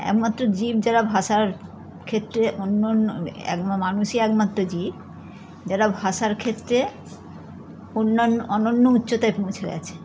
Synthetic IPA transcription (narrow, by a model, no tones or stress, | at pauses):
ɛ̰kmat̪ːɾod͡ʑib̚d͡ʑaɾabʱaʃaɾ | kʰet̪ːɾeʔonːonːoɛ̰kmmanuʃeɛkmat̪ːɾod͡ʑib | d͡ʑaɾabʱaʃaɾkʰet̪ːɾe | onːanːoɔnonːoutːɕot̪aepõw̃t͡ɕʰeɡɛ̰t͡ɕʰe̥